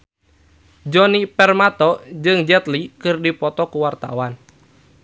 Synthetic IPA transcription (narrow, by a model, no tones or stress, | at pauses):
d͡ʒɔnipɛrmat̪ɔd͡ʒɨŋd͡ʒɛt̪likɨrdipɔt̪ɔkuwart̪a̰wan